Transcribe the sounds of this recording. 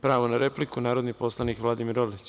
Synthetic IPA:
pɾaːʋonaɾeplikunaːɾod̪nipo̞slˠanikʋlˠad̪imiɾolit͡ɕ

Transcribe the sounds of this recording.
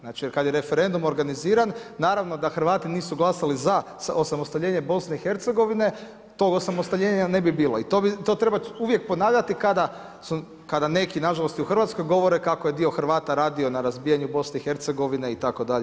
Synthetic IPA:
znat͡ʃijeɾkad̪jeɾe̞feɾe̞nd̪umo̞ɾɡaniziːɾanːaːɾaʋno̞d̪axɾʋaːt̪iniːsuɡlˠasaliza | so̞samo̞st̪aʋʎʲe̞ːɲe̞bo̞sneixe̞ɾt̪se̞ɡo̞ʋine̞ | t̪o̞ɡo̞samo̞st̪aʋʎʲeːɲane̞bibiːlˠoit̪obit̪o̞t̪ɾe̞bauʋje̞k̚po̞naːʋʎat̪ikad̪a | su | kad̪ane̞kinaʒalo̞st̪iuxrʋaːt̪sko̞jɡo̞ʋo̞ɾekakojed̪io̞xr̩ʋaːt̪aɾaːd̪io̞naɾazbiːjaɲubo̞sne̞ixeɾt̪seɡo̞ʋine̞it̪ako̞d̪aʎe

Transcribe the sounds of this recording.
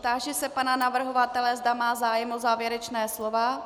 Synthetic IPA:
t̪aːʒɛsɛpananavr̩ɦo̞vat̪ɛlɛzdamaːzaːjɛmʔozaːvjɛɾɛt͡ʃnɛːslova

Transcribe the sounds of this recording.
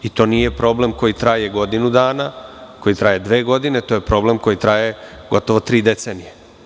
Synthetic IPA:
it̪o̞ːnije̞pɾo̞ːble̞mko̞jit̪ɾaje̞ɡo̞d̪inud̪aːnako̞jit̪ɾajed̪ʋeːɡo̞d̪ine̞t̪oːjepɾo̞ble̞mko̞jit̪ɾaːje̞ɡo̞t̪o̞ʋo̞t̪ɾiːd̪e̞tseːnije

